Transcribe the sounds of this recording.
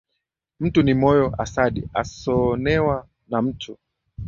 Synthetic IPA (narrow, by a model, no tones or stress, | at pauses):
m̩tunimɔjɔʔasaɗiasɔnɛwa | nam̩tʰu